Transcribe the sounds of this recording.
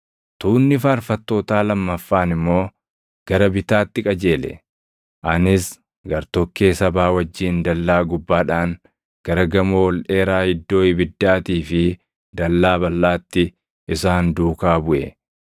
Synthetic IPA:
t̪uːnːɪfaːɾfɐt̪ːoːt̪aːlɐmːɐfːaːnɪmːo̞ː | ɡ̥ɐɾɐbɪt̪aːt̪ːɪkʼɐd͡ʒe̞ːlɛ̰ | ʔɐnɪs | ɡɐɾt̪ɔkːeːsɐbaːwɐd͡ʒːiːnd̪ɐlːaːɡʊbːaːᶑaːŋ | ɡ̥ɐɾɐɡɐmowɔlᶑe̞ːɾaːhɪd̪ːo̞ːɪbɪd̪ːaːt̪iːfɪ | d̪ɐlːaːbɐlːaːt̪ːɪ | ɪsaːnd̪uːkaːbʊʔɛ

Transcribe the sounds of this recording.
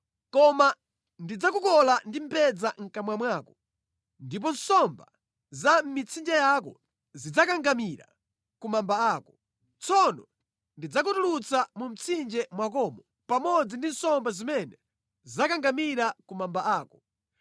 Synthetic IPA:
kɔma | ndid͡zakukɔlandim̩pɛd͡zaŋ̩kamwamwaːkɔ | ndip̬ɔn̩sɔmba | zam̩mit͡sʰind͡ʒɛjakɔ | zid͡zakaŋɡamiɾa̰ | kumambaaːkɔ | t͡sʰɔnɔ | ndid͡zakutulut͡samum̩t͡sʰind͡ʒɛmwak̬ɔːmɔ | pamɔd͡zindin̩sɔmbazimɛnɛ | zizakaŋɡamiɾakumambaaːkɔ

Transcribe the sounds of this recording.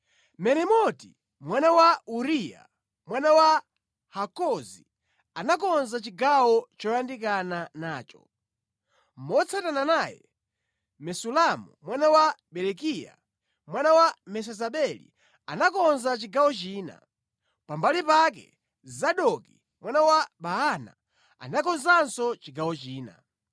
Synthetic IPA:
mɛɾɛmɔti | mwanawauɾija̰ | mwanawa | hakɔzi | anakɔnzat͡ʃiɡawɔt͡ʃɔjandikananaːt͡ʃɔ̰ | m̩mɔt͡sʰatananaːjɛ̰ | mɛsulamumwanawaɓɛlɛkija̰ | mwanawamɛs̬ɛzaɓɛlḭ | anakɔnzat͡ʃiɡawɔt͡ʃiːna̰ | pambalipak̬ɛ̰ | zaɗɔki | mwanawabaɦana̰ | a̰nakɔnzansɔt͡ʃiɡawɔt͡ʃiːna̰

